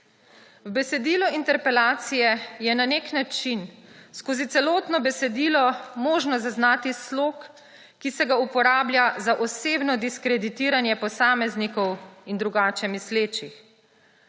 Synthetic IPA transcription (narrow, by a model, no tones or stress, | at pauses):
wbɛsɛd̪iːlɔint̪ɛɾpɛlaːt̪sijɛjɛnaneːknat͡ʃinskoːzit̪sɛlɔːt̪nɔbɛsɛd̪iːlɔmoːʒnɔzaznaːt̪islokː | isɛɡaupɔɾaːbljazaʔɔseːbnɔd̪iskɾɛd̪it̪iːɾanjɛpɔsaːmɛznikɔwind̪ɾuɡaːt͡ʃɛmisleːt͡ʃix